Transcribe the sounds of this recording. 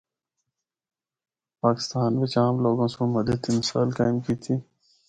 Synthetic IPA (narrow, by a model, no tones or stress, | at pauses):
paːkɪ̥st̪aːnbet͡ɕaːmloːɡõːsõmɐd̪ət̪ʰːimɪsa̰ːlkaːimkiːt̪ʰi